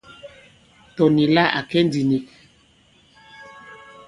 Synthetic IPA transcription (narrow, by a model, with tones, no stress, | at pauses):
tɔ˨ni˨la˦ʔa̰˨kɛ˦n˦di˨ni˨k